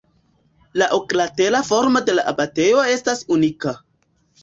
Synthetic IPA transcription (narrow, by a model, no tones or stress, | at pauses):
laʔoklate̞lafo̞ɾmode̞laʔabate̞jo̞e̞stasunika